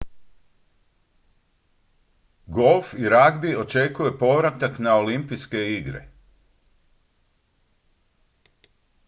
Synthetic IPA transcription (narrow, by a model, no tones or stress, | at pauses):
ɡo̞lˠfiɾaɡbio̞t͡ʃe̞kuje̞po̞ʋɾat̪aknao̞limpiske̞iɡɾḛ